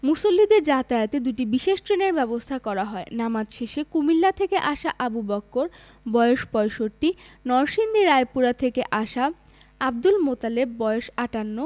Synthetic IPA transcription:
musolːid̪eɾd͡ʑat̪ajot̪ed̪uʈibiʃeʃʈɾeneɾbɛbost̪ʰakɔɾaɦɔenamad̪ʃeʃekumilːat̪ʰekeʔaʃaʔabubɔkːoɾ | bɔeoʃpɔeʃoɾʈinɔɾʃind̪iɾaepuɾat̪ʰekeʔaʃa | abd̪ulmot̪alebːɔeoʃaʈanːo

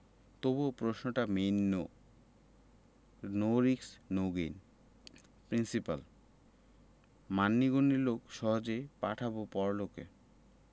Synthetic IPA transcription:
t̪obopɾoʃnoʈamenːo | noɾiksnoɡin | pɾinsipa̰l | manːiɡonilokʃɔɦod͡ʑepaʈʰabopɔɾloke

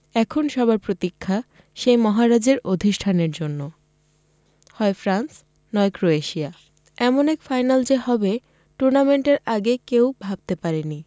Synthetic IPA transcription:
ɛkʰonʃɔβaɾpɾot̪ikʰːa | ʃejmɔɦaɾad͡ʑeɾod̪ʱiʃʈʰaneɾd͡ʑonːo | hɔefɾans | nɔekɾoeʃia | ɛmonɛkfajnald͡ʑeɦɔbe | ʈuɾnameɳʈeɾaɡekewbʱab̚t̪epaɾeni

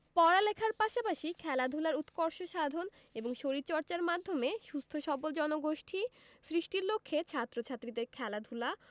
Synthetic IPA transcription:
pɔɾalekʰaɾpaʃapaʃikʰɛlad̪ʱulaɾut̪kɔɾʃoʃad̪ʱon | eboŋʃoɾitt͡ɕɔɾt͡ɕaɾmad̪ʱːomeʃust̪ʰoʃɔbold͡ʑɔnoɡoʃʈʰisɾiʃʈiɾlokʰːet͡ɕʰat̪ːɾot͡ɕʰat̪ːɾid̪eɾkʰɛlad̪ʱula

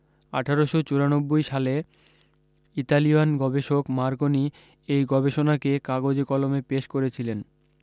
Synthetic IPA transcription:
a̰ʈʰaɾoʃot͡ɕuɾanobːojʃale | it̪alianɡɔbeʃokmaɾɡoni | ejɡɔbeʃonakekaɡod͡ʑekɔlomepeʃkoɾet͡ɕʰilen

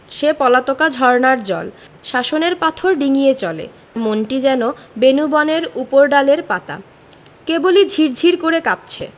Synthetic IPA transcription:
ʃepɔlat̪okad͡ʑʱɔɾnaɾd͡ʑɔ̰l | ʃaʃoneɾpat̪ʰoɾɖiŋijet͡ɕɔlḛ | monʈid͡ʑɛnobenubɔneɾupoɾɖaleɾpat̪a̰ | kebolid͡ʑʱiɾd͡ʑʱiɾkoɾekap̚t͡ɕʰḛ

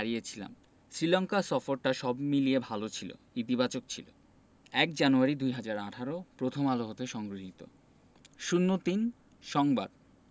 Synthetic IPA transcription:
ɾiet͡ɕʰila̰m | sɾilɔŋkasɔfoɾʈaʃɔbmiliebʱalot͡ɕʰilo̰ | it̪̬ibat͡ɕok̚t͡ɕʰilo̰ | ɛkd͡ʑanuaɾid̪ujɦad͡ʑaɾaʈʰaɾopɾot̪ʰomaloɦot̪eʃɔŋɡɾoɦit̪o̰ | ʃunːot̪in | ʃɔŋba̰d̪̥

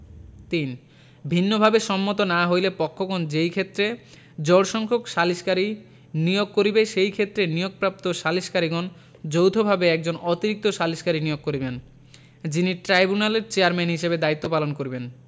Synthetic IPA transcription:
t̪in | bʱinːobʱabeʃɔmːot̪̬onaɦojlepɔkʰːoɡɔnd͡ʑejkʰet̪ːɾe | d͡ʑɔɽʃɔŋkʰokʃaliʃkaɾi | nijoɡ̚kːoɾibeʃejkʰet̪ːɾenijoɡ̚pɾap̚t̪oʃaliʃkaɾiɡɔn | d͡ʑowt̪ʰobʱabeɛk̚d͡ʑonot̪iɾik̚t̪oʃaliʃkaɾinijoɡ̚kːoɾiben | d͡ʑiniʈɾajbunaleɾt͡ɕeaɾmenɦiʃebed̪ait̪ːopalonkoɾiben

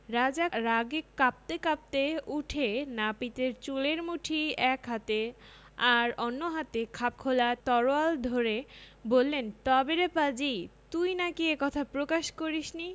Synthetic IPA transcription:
ɾad͡ʑaɾaɡekap̚t̪ekap̚t̪euʈʰenapit̪eɾt͡ɕuleɾmuʈʰiɛkɦat̪e | aɾonːoɦat̪ekʰap̚kʰolat̪ɔɾoald̪ʱoɾebolːent̪ɔbeɾepad͡ʑit̪ujnakiekɔt̪ʰapɾokaʃkoɾiʃni

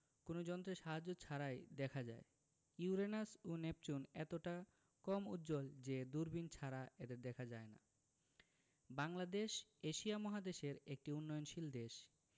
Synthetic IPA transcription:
konod͡ʑɔnt̪ɾeʃaɦad͡ʑːot͡ɕʰaɾajd̪ɛkʰad͡ʑa̰e | iuɾenasonep̚t͡ɕunɛt̪oʈa | kɔmṵt̪ːd͡ʑold͡ʑed̪uɾbint͡ɕʰaɾaed̪eɾd̪ɛkʰad͡ʑaena̰ | baŋlad̪eʃeʃiamɔɦad̪eʃeɾek̚ʈiunːɔjonʃild̪eʃ

